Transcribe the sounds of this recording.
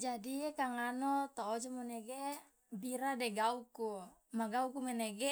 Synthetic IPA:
d͡ʒadikaŋanɔt̪oːd͡ʒɔmɔneɡe | biɾadɛɡauku | maɡaukumenɛɡe

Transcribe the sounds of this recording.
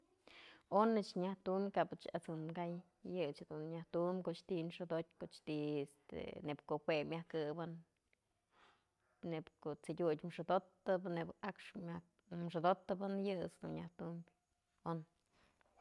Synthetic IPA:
onɨt͡ʃɲaht̪umbʲkaʔbɨt͡ʃat͡sonɡaj | jɨt͡ʃhed̪unɲaht̪umbʲkoʔt͡ʃt̪inʂɨd̪ot̪̚ʲkoʔt͡ʃt̪iest̪ḛnebkohwemʲahkɨbɨn | epkoʔt͡sid̪ʲutʲmʂɨd̪ot̪ːɨbnebakʂma | mʂɨd̪ot̪ɨbɨnjɨt͡sd̪ṵnɲaht̪umbʲ | on

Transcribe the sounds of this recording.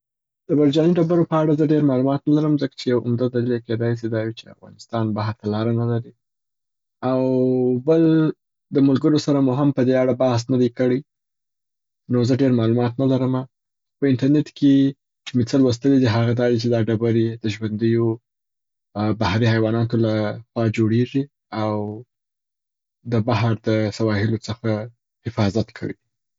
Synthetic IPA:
d̪̥əbaɾd͡ʒɑniɖabaɾopəaɽazəɖeɾmɑlumɑt̪nalaɾəmzəkḁt͡ʃejawʊ̰md̪ad̪alilaked̪ɑjs̬id̪ɑjut͡ʃea̰fɣɑ̰nɪst̪ɑnbaɦaɾt̪alɑɾanalaɾi | awbəl | d̪əmʊlɡəɾosaɾamʊɦɪmpəd̪eaɽabahs̬nad̪ajkəɽəj | nozəɖeɾmɑlumɑt̪nalaɾəma | pəɪnʈaɾneʈkʰe | t͡ʃumet͡səlwəs̬t̪əled̪iɦaɣad̪ɑd̪it͡ʃed̪ɑɖabaɾed̪əʒwand̪əjo | bahɾihajwɑnɑt̪olaxwɑad͡ʒoɽeʐi | aw | d̪əbaɦɾd̪əsawɑhɪlot͡səxa | hɪfɑzat̪kʰə̰wi

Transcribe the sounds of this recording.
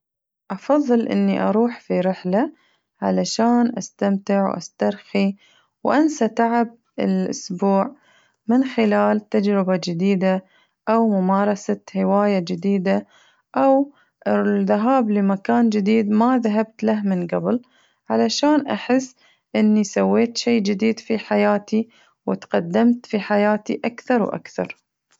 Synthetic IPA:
ʔɑfɑðˤːɨlʔɪ̰nːiʔɑ̰ɾˤuːħfiɾɪħla | ʕa̰laʃaːnʔast̪amt̪ɪʕwʔa̰st̪ɑɾˤxi | wʔansat̪aʕɪb̚ | ɪ̰lʔʊ̰sbuːʕ | mɪnxɪlaːlt̪ad͡ʒɾɪbad͡ʒɪd̪iːd̪a | ʔawmʊmɑːɾˤɑsahɪwaːjad͡ʒɪd̪iːd̪a | ʔaw | ɪðaɦaːblɪmakaːnd͡ʒɪd̪iːd̪maðaɦabt̪laɦmɪnɡabɪl | ʕalaʃaːnʔaħɪsː | ʔɪnːisawːeːt̪ʃeːd͡ʒɪd̪iːd̪fiħajaːt̪i | wɪt̪qɑd̪ːamt̪fiħajaːt̪iʔakθɑɾˤwʔa̰kθɑ̰ɾˤ

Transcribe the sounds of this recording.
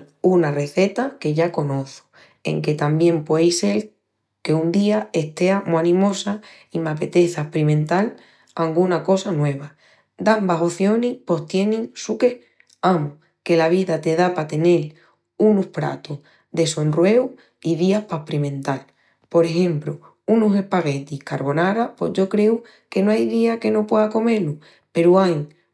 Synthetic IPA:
unare̞θe̞t̪ake̞ʝako̞no̞θo̥ | ḛŋke̞t̪ambje̞mpwejse̞l | ke̞und̪iae̞ht̪e̞amoanĩmo̞sa | imape̞t̪e̞θahpɾimẽ̞nt̪al | aŋɡunako̞sanwe̞β̞a | d̪ambaɦo̞θjo̞nipo̞ht̪je̞nĩŋsuke̞h | amo | ke̞laβ̞iðat̪e̞ðapat̪e̞ne̞l | unuhpɾa̰t̪uh | d̪e̞so̞nrwe̞w | iðiahpahpɾimẽ̞nt̪al | po̞ɾe̞xe̞mpɾu | unuse̞hpaɣe̞t̪ihkaɾβo̞naɾapwḛzʝo̞kɾe̞u | ke̞noajðiake̞no̞pweðako̞me̞lu | pe̞ɾuaj

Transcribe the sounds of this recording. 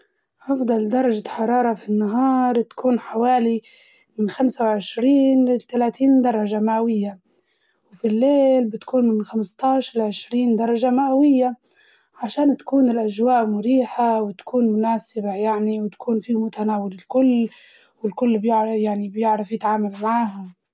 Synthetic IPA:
ʔɑfd̪ˤɑld̪ɑɾˤɑʒaħɑɾˤɑːɾˤɑfinːaɦɑːɾˤt̪ḁkuːnħawaːli | mɪnxamsawʕɪʃɾiːnlɪt̪alaːt̪iːnd̪ɑɾˤɑʒamaʔawɪjːa | wfilːeːlbɪt̪kuːnmɪnxamst̪ɑːʃɑɾˤʕɪʃɾiːnd̪ɑɾˤɑʒamaʔawɪjːa | ʕaʃaːnt̪ḁkuːnɪlʔaʒwaːʔmʊɾiːħawɪt̪ḁkʰuːnmʊnaːsɪbajaʕniwɪt̪ḁkʰuːnfimʊt̪anaːwɪlɪlkʊlː | wɪlkʊlːbjɪʕjaʕnibjɪʕɾafjɪt̪ʕaːmalmaʕaːɦa

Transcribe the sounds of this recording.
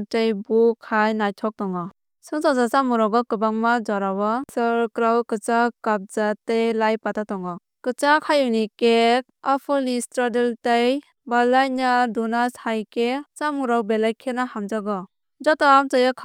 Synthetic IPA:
tajbukʰajnajtʰɔk̚tɔŋɔ | sɯŋsazat͡ʃamuɾawɡɔkɯbaŋmad͡ʒɔɾawɔsɯɾkɾawkɯt͡ʃakap̚zatajlajpatʰatɔŋɔ | kɯt͡ʃakʰajunike | apʰɯlnistɾadeltaj | balajnadunasajket͡ʃamuɾawbelajkʰenahamd͡ʒaɡɔ | d͡ʒɔtamt͡ʃajakʰ

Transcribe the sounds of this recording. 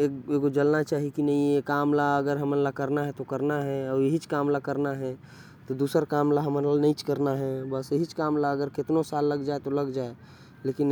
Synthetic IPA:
ekeɡod͡ʒəlnat͡ʃaːɦikinəɦĩekaːmlaəɡəɾɦəmənlakəɾnaɦɛt̪okəɾnaɦɛɔːjeɦit͡ʃkaːmlakəɾnaɦɛ | t̪od̪uːsəɾkaːmlaɦəmɾanəĩt͡ʃkəɾnaɦɛbəseɦit͡ʃkaːmlaəɡəɾkɪt̪nosaːlːəɡd͡ʒaːet̪oləɡd͡ʒaːe | leːkɪn

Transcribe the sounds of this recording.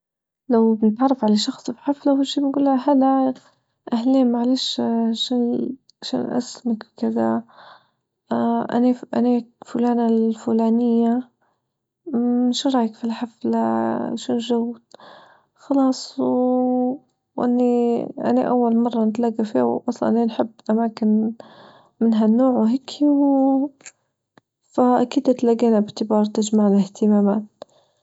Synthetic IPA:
lawbɪnɪt̪ʕɑrˤːɑfʕalaʃɑxsˤbħaflaʔwalːʃiːbɪnɡuːlːaɦalːa | ʔahliːmaʕaleːʃʃn | ʃa̰nʔa̰smakbkɪd̪a | ʔa̰naʔa̰neːkfʊlaːnalfulaːnɪjːa | ɪnʃɾˤɑːjakfilħafla̰ʃunʒawːd̪ | xɑlɑːsˤ | wʔɪ̰nːiʔa̰na̰ʔa̰wːalmɑrˤːɑnɪt̪laɡafiːaʔɑsˤlɑ̰ʔenħɪbːʔamaːkɪn | mɪnɦanːoːʕwɦeːkʰiw | faʔakiːd̪ɪt̪laɡeːnabɪʕt̪ɪbɑːɾˤt̪ɪd͡ʒmaʕlɪht̪ɪmaːmaːt̪̚

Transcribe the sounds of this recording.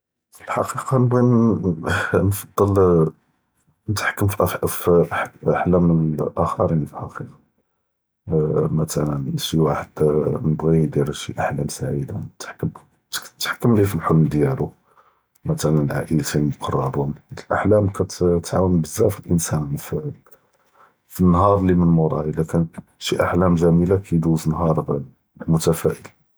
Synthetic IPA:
fəlħɑ̰qiqɑnəbɣin | nfɑd̪ˤːɑl | nət̪ħkːəmfʔfʔaħlæməʔəxɑɾˤinfilħɑ̰qiqɑ | mæt̪ælənʃiwaħad̪ːnəbɣid̪iɾʃiʔaħlæmsaʕid̪anət̪ħkːəm | t̪ːħə̥kːəmlifilħolmd̪jælu | mæt̪ælənlʕaʔəlt̪inmqʰɑrˤːɑbund̪lʔaħlæmkʰæt̪t̪ʕawənbəzæfilʔənsænf | finːɦɑɾˤlimənmoɾˤɑjəlækæn | ʃiʔaħlæmzæmilakʰid̪uznɦɑɾˤ | mʊt̪æfæʔəl

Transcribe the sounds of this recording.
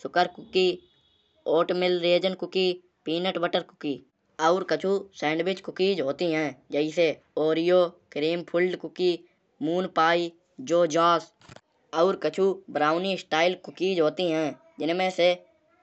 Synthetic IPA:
sʊkəɾkʊki | oːʈmɪlɾeːd͡ʒənkʊkiː | piːnəʈbəʈəɾkʊ̥kiː | ɔʊɾkət͡ʃʰusɛ̃ːɳɖwɪt͡ʃkʊkiːd͡ʒɦoːt̪iɦɛ̃ːd͡ʒɛːɪse | oːɾijoːkɾiːmpʰʊlɖkʊkiː | muːnpaːiː | d͡ʒoːd͡ʒaːs | ɔʊɾkət͡ʃʰubɾaːʊnisʈaːɪlkʊkiːd͡ʒɦoːt̪iɦɛ̃ː | d͡ʒɪnmẽse

